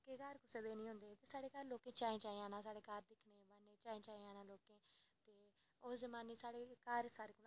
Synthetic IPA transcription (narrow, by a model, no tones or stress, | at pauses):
keːkəɾkʊseːd̪eːnĩːɦʊ̃nd̪eːt̪eːsaːɽeːkəɾloːkẽːt͡ʃaːẽːt͡ʃaːiãːnãːsaːɽeːkəɾd̪ɪkʰneːbənẽːt͡ʃaːẽːt͡ʃaːiãːnãːloːkẽːt̪eː | ozəmãːniːsaːɽeːkəɾsaːɾeːkʊ